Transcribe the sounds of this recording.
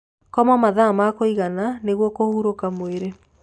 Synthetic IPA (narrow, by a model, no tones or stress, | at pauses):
kɔmɔmaðamakoiɣananeɣwɔkohuɾokamoeɾe